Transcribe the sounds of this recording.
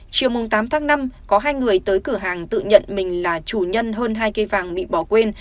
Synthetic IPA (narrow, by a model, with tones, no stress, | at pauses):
t͡ɕi˨˩əwmʊ˨˩ŋ͡mt̪aː˨˦mt̪ʰaː˨˦ŋna˧mkɔ˨˦ɦaː˧jŋɨ˨˩əjt̪əː˨˦jkɨ˧˩əɦaː˨˩ŋt̪ɨ̰˧˨ɲə̰˧˨nmï˨˩ŋ̟laː˨˩t͡ɕu˧˩ɲə˧nɦəː˧nɦaː˧jkə˧jvaː˨˩ŋɓḭ˧˨ɓɔ˧˩kwe˧n